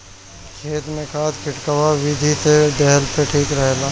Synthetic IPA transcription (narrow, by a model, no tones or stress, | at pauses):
kʰeːt̪mẽkʰaːt̪kɪʈkəwaʋɪd̪ʱiseɖɛɦlpeʈʰiːkɾɛɦlaː